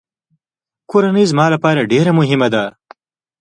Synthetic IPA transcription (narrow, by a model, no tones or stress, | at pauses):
kuɾɐnizmaːlɐpaːɾaɖeːɾamʊɦimɐd̪a